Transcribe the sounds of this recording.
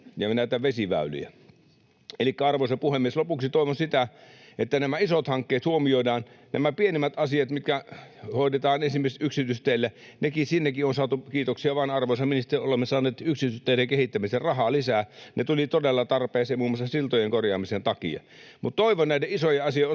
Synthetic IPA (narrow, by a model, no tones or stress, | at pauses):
jɑnæˑit̪æʋesiʋæ̰ˑyly̰jæ̰ | elikːæɑrʋosɑpuhemːieslopuksit̪oˑiʋonsit̪æet̪ːænæmæisot̪hɑŋkːeːt̪huomioidɑːnnæmæpienimːˑæt̪ɑsiɑt̪mit̪kæhoˑidet̪ɑːnensimːieset̪ʔyksit̪yst̪eˑilːæ | nekisinːekionsɑːt̪ukiːt̪oksiɑʋɑnɑrʋoˑsɑminst̪eolemːesɑːnːˑeːt̪yksit̪yst̪ːˑeilekehit̪ːæmiserrɑhɑlisænet̪ulit̪odelːɑt̪ɑrpeːseːmuːmːˑɑsɑsilt̪ojeŋkorjɑːmisent̪ɑkḭɑ̰ | mut̪t̪oiʋonnæˑileisojeɑsioˑ